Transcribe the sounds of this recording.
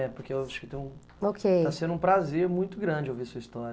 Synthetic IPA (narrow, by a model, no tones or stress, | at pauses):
ɛpoɾkeewaʃʊ̥kɪt̪ẽj̃ũ | okʰej̪asẽd̪ũpɾazeɾmũj̃t̪ʊɡɾɐ̃d͡ʒɪowvisuɐist̪ɔɾ